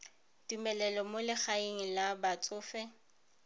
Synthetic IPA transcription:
tumɛlɛlɔmolɪχaeŋ̩labat͡sʼʊːfɛ

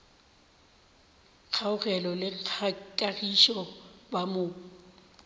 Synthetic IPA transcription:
k͡xʰaʊɣɛlɔlɪkʼaɣiʃɔbamʊː

